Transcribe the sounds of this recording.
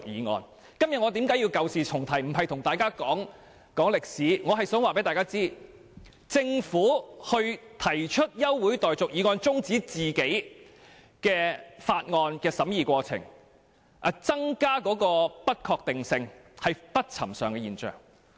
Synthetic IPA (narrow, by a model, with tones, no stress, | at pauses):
k̚jiː˨˧ŋɔ̰ː˧n | kɐ˥mjɐ˨t̚ŋɔː˨˧t̪iː˨˥mkaː˧˥jiː˧wkɐ˨wsiː˨t͡sʰʊ˨˩ŋt̪ʰɐ˨˩jm̩˨˩ɦɐ˨jt̪ʰʊ˨˩ŋt̪aː˨jkaː˥kɔː˨˥ŋ | kɔː˨˥ŋlɪ˨k̚siː˨˥ŋɔː˨˧ɦɐ˨jsœː˨˥ŋwaː˨pe˨˥t̪aː˨jkaː˥t͡siː˥ | t͡sɪ˧ŋfuː˨˥hɵ˧ɥt̪ʰɐ˨˩jt͡ʃʰɵ˥t̚jɐ˥wːuː˨˥jt̪ɔː˨jt͡sʊ˨k̚jiː˨˧ŋɔː˧nt͡sʊ˥ŋt͡siː˨˥t͡siː˨˩ke˨˥j | kɛː˧faː˧t̚ŋɔː˧nkɛː˧sɐ˨˥mjiː˨˧kʷɔː˧t͡sʰɪ̰˨˩ŋ | ʔɐ˨˩t͡sɐ˥ŋkaː˥kɔː˨˧˥kɔː˧pɐ˥t̚kʰɔː˧k̚t̪ɪ˨ŋsɪ˧ŋ | hɐ˨jpɐ˥t̚t͡sʰɐ̰˨˩msœː˨ŋkɛː˧jiː˨˩nt͡ʃœ̰ː˨˩ŋ